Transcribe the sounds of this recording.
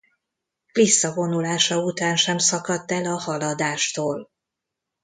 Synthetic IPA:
klisːɒvo̞nulaːʃɒut̪aːnʃɛmsɒkɒt̪ːɛlɒhɒlɒd̪aːʃt̪oːl

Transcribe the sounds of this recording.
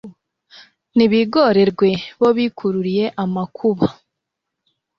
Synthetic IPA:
niβiɡo̞ɾe̞ɾɡwe̞βo̞βiːkʰuɾuɾije̞ʔamakʰuβa

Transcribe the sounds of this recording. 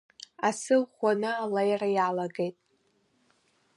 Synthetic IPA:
asɨlχʷanɨalajrajalaɡe̞jtʼ

